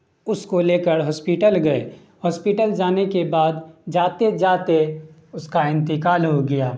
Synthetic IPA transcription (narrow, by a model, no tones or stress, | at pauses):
ʊskoleːkəɾɦɔːspiːʈəlɡɐeː | hɔːspiʈəld͡ʒaːnekebaːd̪d͡ʒaːt̪ed͡ʒaːt̪e | ʊskaɪ̃nt̪ɪkaːlɦoɡɐjaː